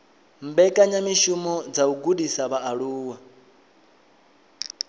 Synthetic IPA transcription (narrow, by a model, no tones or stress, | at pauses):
mbɛkʼaɲamiʃumɔd͡zauɡudisaβaːɺuːwa